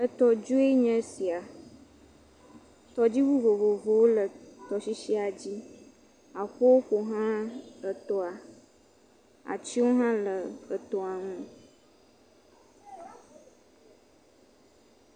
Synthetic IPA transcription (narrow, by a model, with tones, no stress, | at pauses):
ə˨t̪ɔ˨d͡ʒu˦e˦ɲɛ̃˦si˨a˨ | t̪ɔ˨d͡ʑi˦wu˦vo˨vo˨vo˨wo˦lə˨t̪ɔ˨si˦ʃi˦a˨d͡ʑi˦ | a˨ɸo˦wo˦ɸo˨ɦã˦ə˨t̪ɔ˦a˨ | a̰˨t͡ɕi˦wo˦ɦã˦lə˨ə˨t̪ɔ˨a˨ŋũ˦